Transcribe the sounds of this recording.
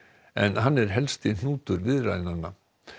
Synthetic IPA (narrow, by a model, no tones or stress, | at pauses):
ɛnɦanːɛɾ̥ɦɛlst̪ɪn̥uːt̪ʏɾvɪðra̰jnanːa